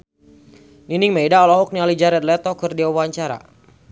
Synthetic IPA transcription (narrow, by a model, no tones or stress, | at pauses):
niniŋmedaɔlɔɦɔk̚nialid͡ʒaɾɛt̪̚lɛt̪ɔkɨrdiawaɲt͡ʃaɾa̰